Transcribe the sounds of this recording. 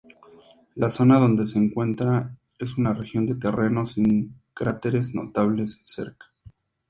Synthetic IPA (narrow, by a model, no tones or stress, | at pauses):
laso̞naðo̞nd̪e̞seːŋkwe̞nt̪ɾa | e̞sunarexjo̞nd̪e̞t̪e̞re̞no̞siŋkɾat̪e̞ɾe̞zno̞̰t̪aβle̞sese̞̰ɾkḁ